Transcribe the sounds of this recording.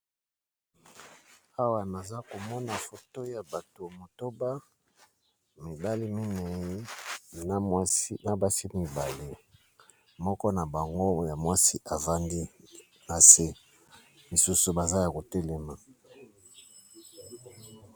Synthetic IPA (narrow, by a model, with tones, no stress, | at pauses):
a˦wa˨na˨za˦ko˨mɔ˦na˨fo˨to˦ja˨ba˨to˨mo˨to˦ba˦ | mi˨ba˦li˦mi˦ne˨ji˦na˨˦i˦na˨ba˦si˦mi˨ba˨le˦ | mɔ˦kɔ˦na˨ba˨ŋɡo˦ja˨mwa˦si˦ʔa˨va˦ndi˦ | na˨se˦ | mi˨su˦su˨ba˨za˦ja˨ko˨te˦lɛ˨ma˨